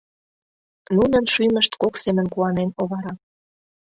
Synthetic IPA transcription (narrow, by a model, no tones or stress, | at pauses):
nunənʃyjmə̆ʃt̪koksemənkuɑnenoβɑɾɑ